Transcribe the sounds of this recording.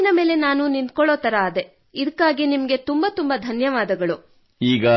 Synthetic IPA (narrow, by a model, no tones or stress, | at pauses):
inɐme̞ːle̞naːnunint̪̚kɔɭoːt̪ɐɾaːd̪e̞ | id̪ɐkːaːɡinimɐɡe̞t̪umbɐt̪umbɐd̪ʱɐnjɐʋaːd̪ɐɡɐɭu | iːɡɐ